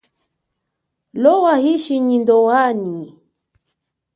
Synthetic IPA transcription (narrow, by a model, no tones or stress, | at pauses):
lɔwahiʃiɲindɔwaɲi